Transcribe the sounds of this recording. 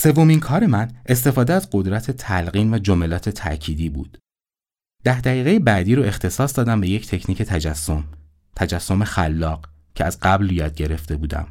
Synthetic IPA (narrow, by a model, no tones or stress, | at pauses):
se̞vːo̞minkʰɒːɾe̞mænʔe̞st̪e̞fɒːd̪eæzɢo̞d̪ɾæt̪ʰe̞t̪ʰælɢiːnvæd͡ʒomelɒːt̪ʰe̞t̪ʰæ̰ʔcʰiːd̪iːbṵːd̪̥ | d̪̥æhd̪æɣiːɣejebæːd̪iːɾoe̞xt̪ʰe̞sɒːsd̪ɒːd̪æmbe̞jecʰt̪ʰe̞cʰniːcʰe̞t̪ʰæd͡ʒæsom | t̪ʰæd͡ʒæsːo̞me̞xælːɒːɢ | cʰeæzɢæbljɒːd̪̚ɟe̞ɾe̞ft̪ʰe̞buːd̪æ̰m